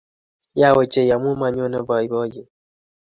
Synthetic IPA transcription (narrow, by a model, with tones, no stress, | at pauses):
ja˦˨we˨t͡ʃe˨ja˨m˦u˦ma˨ɲ˦o˦nə˦bɔ˨i˦bɔ˦je˨